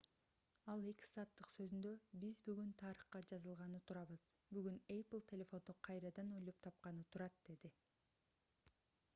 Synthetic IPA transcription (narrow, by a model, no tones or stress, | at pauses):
ɑlˠe̞ki̥sɑːt̪ːɯqsø̞zynd̪ø̞bizbyɡynt̪ʰɑɾɯχqɑd͡ʒɑzɯlˠʁɑnɯt̪ʰuɾɑβɯz | byɡyneplˠtʲʰelʲe̞fo̞nd̪oqʰɑjɾɑd̪ɑno̞jlˠo̞p̚t̪ʰɑp̚qɑnɯt̪ʰuɾɑt̪̚d̪e̞d̪i